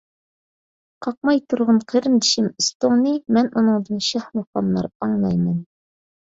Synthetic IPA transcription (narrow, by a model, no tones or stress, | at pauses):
qʰɑq̚mɑjt̪ʰuɾʁɑnqʰəɾɘnd̪ɪʃɪmɪst̪oŋnimænunɤŋd̪ɨnʃæhmuχɑnːˠɑ̰ɾɑɴlˠɑjmɑn